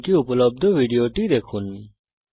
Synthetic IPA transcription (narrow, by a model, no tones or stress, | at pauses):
kiʊpləb̚d̪ʋiɖijoːʈid̪eːkʰunːi